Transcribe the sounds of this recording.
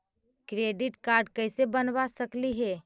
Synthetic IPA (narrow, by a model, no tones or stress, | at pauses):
kɾeɖiʈkaɾɖkəɪsebənʋasəkliɦɛ